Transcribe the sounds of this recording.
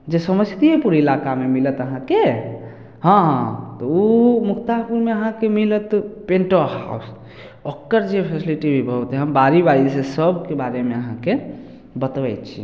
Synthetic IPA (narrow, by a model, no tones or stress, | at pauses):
d͡ʒesəməst̪iepuɾilakamemilət̪əɦãke | hə̃ɦt̪ɔumukʰt̪apuɾmeəɦãkemilət̪peɳʈoɦa̰s | okːəɾd͡ʒepʰesiliʈibʱibʱət̪eɦəmbaɾibaɾisesəbʱkebaɾemeəɦãke | bət̪bɛj̪t͡ʃʰḭ